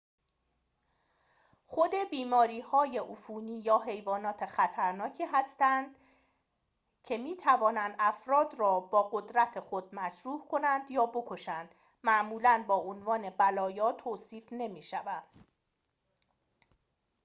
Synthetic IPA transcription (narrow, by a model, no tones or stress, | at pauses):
χo̞d̪e̞biːmɒːɾiːhɒːje̞ʔufuːniːjɒːɦe̞jvɒːnɒːt̪ʰexæt̪ʰæɾnɒːcʰiːɦæst̪ænd̪̥ | cʰe̞miːt̪ʰævɒːnænd̪æfɾɒːd̪rɒːbɒːɣod̪ɾæt̪ʰexo̞d̪̥̚mæt͡ʃɾuːhkʰo̞nænd̪jɒːbo̞kʰo̞ʃænd̪̥ | mæʔmuːlænbɒːʔonvɒːne̞bælɒːjɒːt̪ʰoːsiːfne̞miːʃævænd̪̥